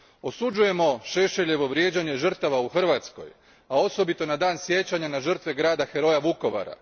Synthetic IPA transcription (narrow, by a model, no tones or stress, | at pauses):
osud͡ʒuje̞mo̞ʃe̞ʃeʎe̞ʋo̞ʋɾje̞ːd͡ʑaɲe̞ʒr̩t̪aʋauxr̩ʋat̪sko̞̰j | ao̞so̞bit̪o̞nad̪aːnsje̞t͡ɕaɲanaʒr̩t̪ʋe̞ɡɾaːd̪axe̞ɾo̞jaʋuko̞ʋa̰ɾa̰